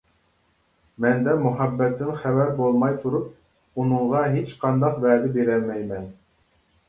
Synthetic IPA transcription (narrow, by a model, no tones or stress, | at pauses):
mɛnd̪ɛmuɦɑbːɛt̪ʰːɪnχɛvæɾbolˠmɑjt̪ʰuɾup̚ | unɨɴʁɑɦet͡ʃqʰɑnd̪ɑqvɛːd̪ɪbeɾɛmɛjmɛn